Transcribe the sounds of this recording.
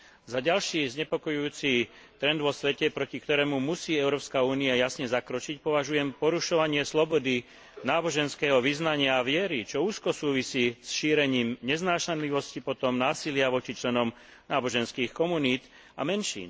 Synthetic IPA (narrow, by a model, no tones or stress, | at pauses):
zaɟalʃiːzɲɛpɔkɔjuuːt͡si | t̪ɾɛnd̪ʋɔsʋɛcɛpɾɔcikt̪ɔɾɛːmumusiːɛʊɾɔːpskauːniajasɲɛzakɾɔt͡ʃicpɔʋaʒujɛmpɔɾuʃɔʋaɲɪɛslɔbɔd̪i | naːbɔʒɛnskɛːɦɔʋiznaɲɪaːʋɪɛɾit͡ʃɔuːskɔsuːʋisiːsʃiːɾɛɲiːmɲɛznaːʃanliʋɔscipɔt̪ɔmnaːsilɪaʋɔt͡ʃit͡ʃlɛnɔm | naːbɔʒɛnskiːxkɔmuniːd̪ | a̰mɛnʃḭːn